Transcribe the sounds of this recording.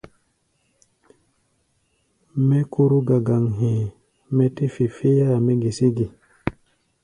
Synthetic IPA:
me˦ku˦ɾu˦ɡa˨ɡa˨ŋɦĩ˨ | me˦ti˦fi˨fi˦ja˦˨me˦ɡi˨si˦ɡi˨

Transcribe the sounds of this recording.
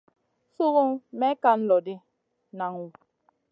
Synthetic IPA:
su˦ɣu˦ŋmɛ˦ka˦n̩˦lɔ˨dɪ˦ | na˨ŋwu˨

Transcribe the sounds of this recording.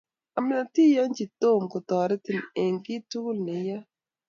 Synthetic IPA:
a˨mɪ˦na˨ti˦ja˦nd͡ʒi˨t̪o˦˨mko˨t̪ɔ˨ɾɛ˦tɪ˨ne˨ŋɡɪ˦tu˦ɡʊ˦lnɪ˨ja˦

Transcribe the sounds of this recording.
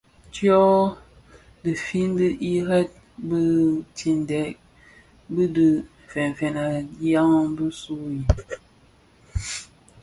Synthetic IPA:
tjɔ˦ | də˨fi˦n˦də˦ʔi˦ɾɛ˦t̚ | bə˦ti˨n˨dɛ˨˦k̚ | bə˦də˨ | fɛ˨n˨fɛ˨na˨˦ja˦ŋə˦bə˦su˦i˨

